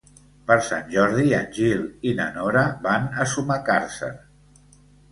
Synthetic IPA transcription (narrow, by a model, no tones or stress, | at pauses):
pəɾsa̰nʲʒɔɾðiənʲʒilˠinənoɾəbanəsumakaɾsə̰